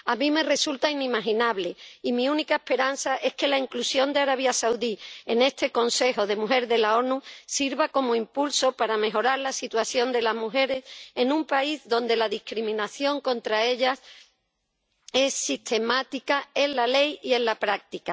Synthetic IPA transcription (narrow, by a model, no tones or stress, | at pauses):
amĩme̞re̞sult̪ainimaɦinaβle̞imĩunikae̞hpe̞ɾanθaʔe̞ske̞laiŋklusjo̞nd̪eaɾaβ̞jasawðie̞ne̞st̪e̞ko̞nse̞xo̞ðe̞muɦe̞ɾðe̞lao̞nusiɾβako̞moimpulso̞paɾame̞ɦo̞ɾaɾlasit̪waθjo̞nd̪e̞laɦmuxe̞ɾe̞se̞numpaizðo̞nd̪e̞laðihkɾimĩnaθjo̞ŋko̞nt̪ɾae̞ʎas | e̞sːit̪ʰe̞mat̪ikae̞nlale̞jie̞nlapɾak̚t̪ika